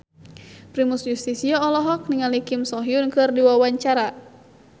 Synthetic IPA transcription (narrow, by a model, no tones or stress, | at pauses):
pɾimusjust̪isiɔɔlɔɦɔk̚niŋalikɪmsɔɦiunkɨrdiwawaɲt͡ʃaɾa